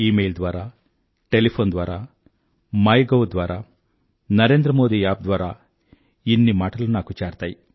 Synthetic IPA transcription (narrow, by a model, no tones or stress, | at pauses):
iːmejld̪ʋaːɾaː | ʈelipʰoːnd̪ʋaːɾaː | mɐjɡowd̪ʋaːɾaː | nɐɾe̞ːnd̪ɾɐmo̞ːd̪iːaːb̚d̪ʋaːɾaː | inːimaːʈɐlunaːkut͡ʃaːɾt̪aːji